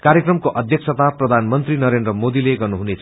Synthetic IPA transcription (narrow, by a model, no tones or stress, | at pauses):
kaɾjekrʌmkoʔʌd̪ʱjʌksʰʌt̪aprʌd̪ʱanmʌnt̪rinʌɾendrʌmod̪ileɡʌrnuɦunet͡sʰ